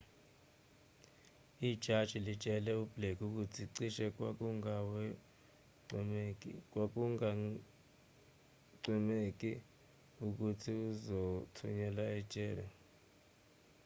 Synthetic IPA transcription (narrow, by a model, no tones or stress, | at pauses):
id̥ʒ̥ʱad̥ʒ̥ʱilit͡ʃʼɛlɛub̥lekʰuk̬utʰiǀiʃɛk̬ʼwak̬uŋawɛ | kwak̬uŋa | ǀimek̬ʼi | uk̬utʰiuzotʰuɲɛlaɛ̥t͡ʃʼɛːlɔ